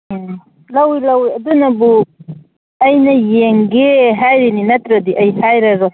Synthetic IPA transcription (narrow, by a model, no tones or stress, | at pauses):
lɐwilɐwiɐd̪unɐbu | ɐjnɐjeŋɡeɦajɾininɐt̪ɾɐd̪iʔɐjhajɾɐɾo